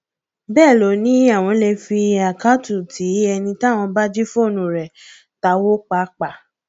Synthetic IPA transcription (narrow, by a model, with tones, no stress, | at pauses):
bɛː˦˨lo˨˦nĩ˨˦a˦˨w̃ɔ̃˧le˧fi˧a˨ka˦tu˦˨tʰi˨˦ɛ˧nĩ˧ta˦˨w̃ɔ̃˧ba˦d͡ʒi˦fo˦˨nũ˨ɾɛ˨ | ta˨˦wo˦k͡pa˦k͡pa˨